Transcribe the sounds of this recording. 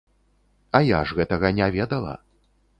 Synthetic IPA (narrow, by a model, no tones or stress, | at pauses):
ɐjaʐɣɛt̪ɐɣɐnʲavʲɛd̪ɐlˠɐ̰